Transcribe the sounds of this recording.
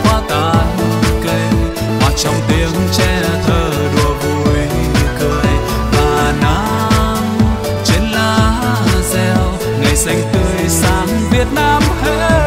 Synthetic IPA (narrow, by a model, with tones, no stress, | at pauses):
fwaː˧˦t̪aː˨˩mu˧ke˧˩ | hwa˨˩k̚t͡ɕɔ˧˩wŋ͡mt̪i˨˧˦ŋt͡ɕɛ˧t̪ʰəː˨˩ | ɗɔ˧˩vu˧˩jkəː˧˩j | vaː˨˩naː˧˦ | m | t͡ɕe˧˥nlaː˧˩zɛ˧w | ŋa˨˩jsa˧jŋ̟t̪ɨ˧əjsaː˨˦mvi˨˧˩ət̚naː˧mhe˧